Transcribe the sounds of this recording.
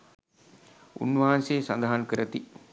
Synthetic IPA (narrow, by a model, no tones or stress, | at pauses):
ṵnːʋaːanseːsand̪aɦankəɾət̪i